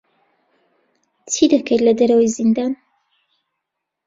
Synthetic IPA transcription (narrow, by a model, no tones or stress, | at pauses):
t͡sʰid̪ɐkʰɐjlɐd̪ɐɾɐwijzind̪an